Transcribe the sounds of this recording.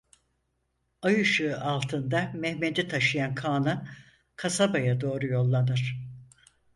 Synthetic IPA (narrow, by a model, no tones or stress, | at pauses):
ajɯʃɯalˠt̪ʰɯnd̪amɛhmed̪ɛt̪ʰaʃɯjankʰaːnɯ | kʰasabajad̪o̞ːɾujo̞lˠːanɯɾ̥